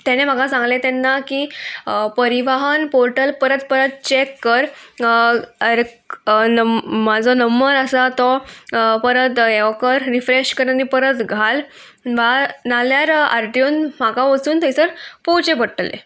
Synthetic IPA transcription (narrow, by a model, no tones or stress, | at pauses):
t̪ɛnem̤aɡasãŋɡlet̪ɛnːakiːpəɾiʋaɦənpoɾʈəlpəɾət̪pəɾət̪̚t͡ɕekːəɾ | ɾ | nəmad͡zɔnəmːəɾəsat̪ɔpəɾət̪ɛʋkəɾɾifɾeɕkəɾanipəɾət̪ɡʱal | ʋanaljaɾa̰ɾʈjunmakaʋəsuːnt̪ət͡səɾpowt͡ɕebəʈlḛ